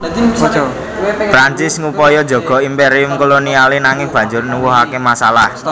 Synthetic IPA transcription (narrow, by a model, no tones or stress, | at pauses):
fɾaɲt͡ʃɪsŋupɔjɔd̥d͡ʒɔ̤ɡ̥ɔ̤impeɾiʊmkolonialinaŋɪŋb̥ä̤ɲd͡ʒʊrnuwuɦakemasalah